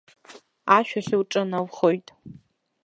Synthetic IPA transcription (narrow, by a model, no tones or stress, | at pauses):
aʃᶣaɬɨwʈ͡ʂʼɨnawχojtʼ